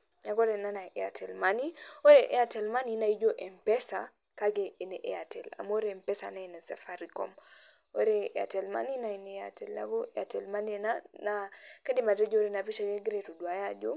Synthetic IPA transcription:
naɡoɾenanaʔea̰tʰelmanioɾeʔeatelmaninaid͡ʒoʔempesa | kaɡeːneʔeatela̰moɾempesa̰nainesefaɾiko̰m | oɾeḛa̰telma̰ninainea̰telna̰ɡoʔeatelmanenanakadimaded͡ʒoɾenapiʃaɡeɡɾetuduajad͡ʒo̰

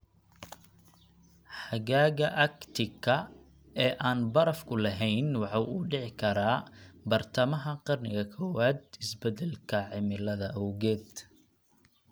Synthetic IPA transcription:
ħɑɣaːɣɐʔɐkt̪ʰɪkʰɐ | ɛːʔaːnbɐɾɐfkʰʊlɐɦɛjnwɑħɑwuːɖɪʕɪkʰɐɾaːbɐrt̪ʰɐmɐɦɐqɑrnɪ̰ɣɐkʰɔːwaːd̪̚ɪsbɛd̪ɛlkʰɐʕɪmɪlɐðɐʔɐwɣɛːd̪

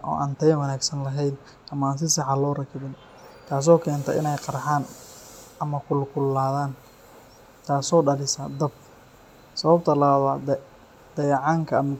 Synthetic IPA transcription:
ʔɔ̰ːʔɐnt̪ʰɐjɐwɐnaːɡsɐnlɐɦɛjn | ʔɐmɐaːns̬ɪsɑħɑlɔːrɐkʰɪβɪn | kʰaːs̬ɔːkʰɛːnt̪ʰɐʔɪ̰nɛjqɑɾħaːn | ʔɐmɐkʰʊlkʰʊlːaːðaːn | t̪ʰaːsɔːɖɐlɪsɐd̪ɐb̚ | sɐβɐb̚t̪ʰɐlɐβaːd̪wɑːd̪ | d̪̥ɐjʕɑŋkʰɐɐmɐ

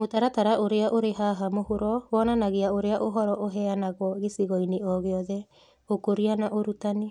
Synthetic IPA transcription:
motaɾataɾaʔoɾeaʔoɾeɦaɦamohoɾɔwɔnanaɣeaoɾeaʔoɦɔɾɔʔoɦɛanaɣwɔɣesiɣɔineɔɣeɔðɛ | okoɾianaʔoɾutane

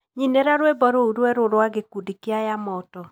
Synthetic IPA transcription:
ɲinɛɾaɾwebɔɾouɾwɛɾoɾwaɡekudikeajamɔtɔ

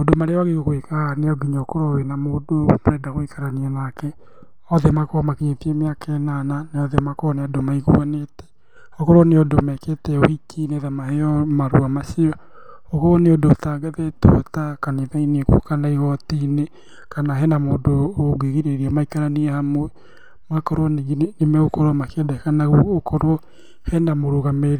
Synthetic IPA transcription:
moːdomaɾeɔaɣeɣoɣoekaneɔɡiɲaokoɾowenamoːdomoɾɛdaɣoikʰaɾaniɛnakɛ | ɔðɛmakoɔmakiɲetiemeakʰɛnananeɔðɛmakoɔneadomaiɣṵanetɛ̥ | okoɾoneodomɛketɛohikʰineðamahɛɔmaɾṵamasiɔ | okɔwɔneodootaɡɛðɛto̰takaneðainɛkṵkanaiɣɔtine | kanaɦɛnamoːdooɡeɣiɾeɾiamaikaɾaniɛhamoɛ | makɔɾwɔneɣnemɛokɔɾɔmakedɛkanaɣuokɔɾwɔ | hɛnamoɾoɣameɾ

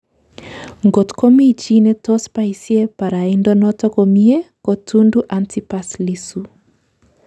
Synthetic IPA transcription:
ŋɡɔtkɔmiit͡ʃinɛtɔspaisiɛpaɾaindɔnɔtɔkɔmiɛkotunduʔantʰipaslisu

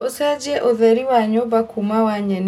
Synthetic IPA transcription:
osead͡ʒiɛʔoðɛɾiwaɲobakumawaɲɛn

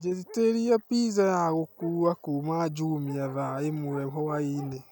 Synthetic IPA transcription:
d͡ʒɛziteɾiapizajaɣokuɾuakumad͡ʒumiaðaemuɾɛmɦɔwainɛ

